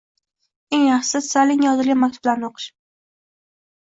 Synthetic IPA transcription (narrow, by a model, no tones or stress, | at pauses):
eŋjɑχʃsɪzsalɪŋjɒzɪlɡʲamak̚ʲt̪ʰu̥ʊblaɾnɪoqʰɨ̥ʃ